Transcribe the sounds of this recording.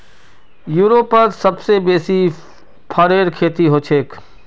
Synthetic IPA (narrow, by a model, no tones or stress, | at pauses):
juːɾoːpːɐɾsɐbsebeːsi | pʰɐɾeːɾkʰeːt̪iɦoːt͡ʃʰeːk